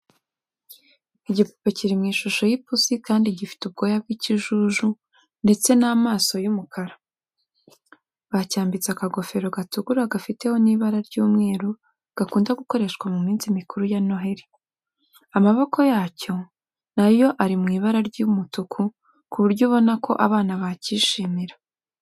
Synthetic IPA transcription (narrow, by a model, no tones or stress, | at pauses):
iɟipu̥peciɾimŋiːʃuʃo̞jipusikaːndiɟifi̥tub̚ɡo̞ːjab̚ɡiːciʒuʒu | nde̞t͡se̞naːmaːso̞jumukʰaɾa | βacaːmbit͡sakaɡo̞fe̞ɾo̞ɡatuɡuɾaɡafite̞ho̞niːβaɾaɾɟuːmŋe̞ːɾu | ɡ̥akuːndaɡuko̞ɾe̞ʃkwamumiːnzimikuɾujano̞ɦeɾi | amaβo̞kʰo̞jaːco̞ | najo̞ʔaɾimŋiːβaɾaɾɟumutukʰu | kuβuɾɟoβo̞nakʰo̞̰ʔaβaːnaβaciʃiːmiɾa